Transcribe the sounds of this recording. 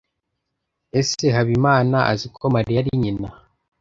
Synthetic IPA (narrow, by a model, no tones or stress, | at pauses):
e̞seɦaβimaːnaʔa̰zikʰo̞maɾijaɾiɲina